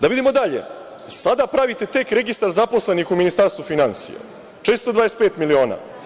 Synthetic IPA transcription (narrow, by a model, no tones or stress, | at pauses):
d̪aʋid̪imod̪aʎḛ | sad̪apɾaʋit̪e̞t̪e̞kɾe̞ɡist̪aɾzapo̞sle̞nixuminist̪aɾst̪vufinansḭja̰ | t͡ʃe̞ːst̪od̪ʋaːespeːt̪milio̞ːna̰ː